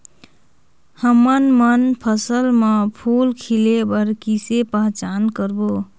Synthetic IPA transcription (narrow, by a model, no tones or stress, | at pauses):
həmənmənpʰəsəlmepʰulkʰilebəɾkisepəɦt͡ʃankəɾbo